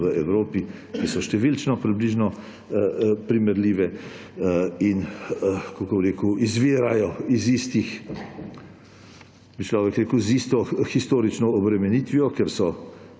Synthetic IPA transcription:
ʋəɛwɾoːpi | kisɔʃt̪ɛʋilt͡ʃnɔpɾibliːʒnɔ | pɾimɛɾliːʋɛ | in | kɔkɔbɾeːkuizʋiːɾajɔizist̪ix | bit͡ʃlɔːʋɛkɾeːkəwzist̪ɔxist̪oːɾit͡ʃnɔːbɾɛmɛniːt̪ʋiɔkɛɾsɔ

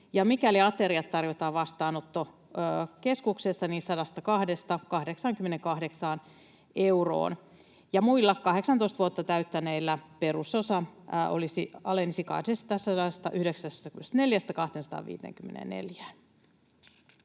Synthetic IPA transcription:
jɑmikæliɑt̪eɾiɑt̪t̪ːɑrjot̪ɑːʋɑst̪ɑːnot̪ːoː | ke̞skuksesːɑniːnsɑdɑst̪ɑkɑhdest̪ɑkɑhdeksɑŋkymːeneŋkɑhde̞ksɑːn | euro̰ːn | jɑmuilːɑkkɑheksɑnt̪oist̪ʋuot̪ːɑt̪æyt̪ːæneilːæpe̞ɾusosɑʔo̰lisiɑ̰lensikɑ̰isest̪ɑsːɑdɑst̪ɑʔyhdeksæst̪ɑkynest̪neljæst̪ækɑht̪ensɑ̥t̪ɑ̰ːʋḭːt̪ḛŋkymːenḛnnḛljæː

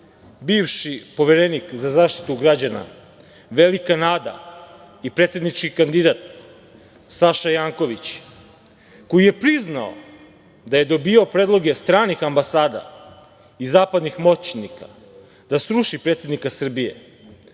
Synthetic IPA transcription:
biːʋʃipo̞ʋeɾenikzazaːʃt̪i̥t̪uɡɾad͡ʑana̰ | ʋe̞likanaːd̪a̰ | ipɾet̪sed̪nit͡ʃkikand̪id̪at̪̚ | saʃajaːŋko̞ʋit͡ɕ | ko̞jije̞pɾiznao̰ | d̪aje̞d̪o̞biaopɾeːd̪lˠo̞ɡe̞st̪ɾaːnixambasaːd̪a̰ | izaːpad̪nixmo̞t͡ɕnika̰ | d̪asɾuʃipɾet̪se̞d̪nikasr̩bije̞̰

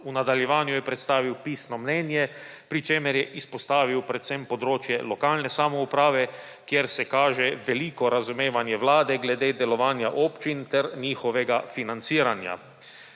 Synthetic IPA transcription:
unad̪aljɛʋaːnjujɛpɾɛt̪st̪aːʋiwpiːsnɔmnɛːnjɛ | pɾit͡ʃeːmɛɾjɛʔispɔst̪aːʋiwpɾɛt̪sɛmpɔd̪ɾoːt͡ʃjɛlɔkaːlnɛsamɔupɾaːʋɛ | kjeɾsɛkaːʒɛʋɛliːkɔɾazumeːʋanjɛʋlaːd̪ɛɡlɛd̪eːd̪ɛlɔʋaːnjaʔoːpt͡ʃint̪ɛɾniːxɔʋɛɡafinant̪siːɾanja̰

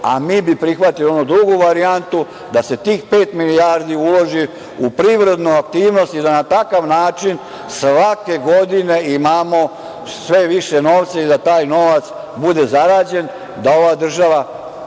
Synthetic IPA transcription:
a̰miːbipɾixʋat̪ilio̞nud̪ɾuɡuʋaɾiant̪u | d̪ase̞t̪iːxpe̞ːt̪milijaːɾd̪iuloʒi | upɾiʋɾe̞d̪nuak̚t̪iːʋno̞st̪id̪anat̪akaʋnaːt͡ʃin | sʋake̞ɡo̞d̪ine̞imaːmo | sʋe̞ʋiʃe̞no̞ːʋt̪said̪at̪aːjno̞ʋat̪s | bud̪e̞zaɾaːd͡ʑe̞n | d̪ao̞ʋad̪r̩ʒaʋa

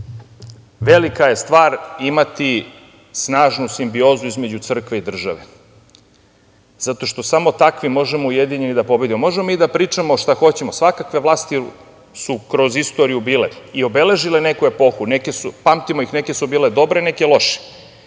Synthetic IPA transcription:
ʋe̞likaje̞st̪ʋaːɾimat̪i | snaːʒnusimbio̞ːzuizme̞d͡ʑut̪sr̩kʋe̞id̪r̩ʒaʋe̞ | z̥at̪o̞ʃt̪o̞samo̞t̪akʋimo̞ʒemoujed̪iɲe̞nid̪apo̞be̞d̪imo̞mo̞ʒemoid̪apɾiːt͡ʂamoʃt̪axo̞t͡ɕe̞mo̞sʋakakʋe̞ʋlˠaːst̪i | sukɾo̞zist̪o̞ɾijubiːle̞io̞be̞le̞ʒile̞ne̞kue̞po̞xunekesupamt̪imojixne̞ke̞subiːled̪o̞bɾe̞ne̞kʲelo̞ʃe̥

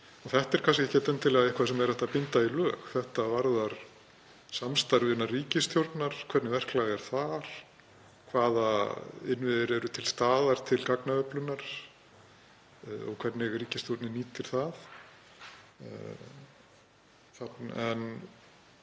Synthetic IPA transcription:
ɔθɛht̪ɛɾ̥kʰanscɪɛhcːɛt̪ɛnt̪ʰɪlɛɣaɛhkʰvas̬ɛmɛɾθɛht̪apɪnt̪ailœːxθɛht̪avaɾðaɾ̥ | samst̪aɾvɪnːariːcɪst̪ʰjowɾt̪naɾ̥kʰvɛɾt̪nɪvɛr̥klaːɣɛɾ̥θaɾ̥ | kʰvaːðaɪnvɪðɪɾɛɾʏt̪ʰɪlst̪aːðaɾ̥t̪ʰɪlkaknaœplʏnːaɾ̥ | ɔ̰ɣkʰvɛɾt̪nɪɣriːcɪst̪jowɾt̪nɪniːt̪ɪɾ̥θaθ | θaɛn

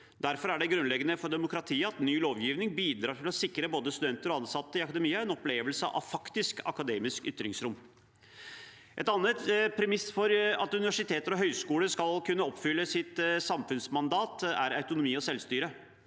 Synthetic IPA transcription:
d̪æɾfɔɾæɖɛɡɾʉnlɛɡənəfɔɾɖ̪ɛmʊkɾɑt̪ʰiːəɑt̪nyːloːʋjiːʋnɪŋbiːd̪ɾɑːʈ̪ɪlɔsɪkɾəboːd̪əst̪ʉd̪ɛnt̪əɾɔɑnsɑt̪ːəɪɑkɑd̪ɛmiːəɛnɔpleːʋəlsə̰ɑ̰fɑkt̪ɪskɑ̰kɑd̪eːmɪskʏt̪ːɾɪŋsɾʊm | ʔɛt̪ɑnːət̪pʰɾɛmɪsfɔɾɑt̪ʉnɪʋæʂɪt̪ʰeːt̪əɾɔɦœʏskuːləɾskɑlkʰʉnːəɔpːfʏlːəsɪt̪sɑmfʉnsmɑnd̪ɑːt̪æ̰ɾɑʉt̪ʊnʊmiːɔsɛlst̪yːɾə

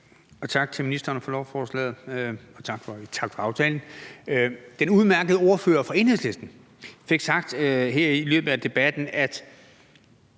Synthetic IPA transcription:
ɒ̽t͡sʰɑ̈ɡ̥̚t͡sʰe̝minisd̥ɐnəfɒ̽lɒʊfɒːslɛ̰ːð̩ˠɒ̽t͡sʰɑ̈ɡ̥fɒ̽t͡sʰɑ̈ɡ̥fɒ̽ɑ̈ʊt͡sʰɛːln̩ | d̥enuð̞ˠmæɐɡ̥əð̞̩ˠo̝ɐfø̰ːɐfʁɑ̈e̝nhḛsle̝sd̥n̩ | fe̝ɡ̥sɑ̈ɡ̥d̥øɦeɐ̰ilø̰ːb̥ð̩ˠæd̥e̝b̥æd̥n̩æd̥

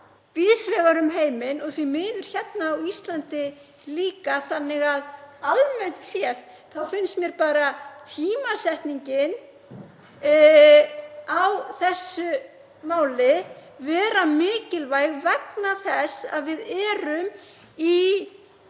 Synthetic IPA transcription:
viðsvɛːɣaɾʏmɦeːjmɪnɔɣθvimɪːðʏɾ̥çɛt̪naːwist̪lant̪ɪ | liːkaθanːɪɣaðalmɛn̥t̪sjɛθ | θawfɪnst̪mjɛɾpaːɾat̪ʰiːmasɛht̪niɲcɪn | awθɛsːʏ | maːwlɪ | vɛːɾamɪːcɪlvaːjɣvɛknaθɛsa̰ðvɪðɛːɾʏm | i

